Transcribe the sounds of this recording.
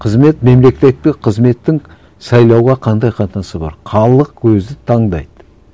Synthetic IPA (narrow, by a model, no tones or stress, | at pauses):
qʰəzme̞t̪me̞mle̞kʲt̪e̞t̪̚ːɪqʰəzme̞t̪ːɪŋ | sɑjlˠɑwʁɑqʰɑnd̪ɑjqʰɑt̪nɑsəbɑ̰ɾχʰɑlˠəqwɵzɪt̪ʰɑɴd̪ɑ̰jd̪ə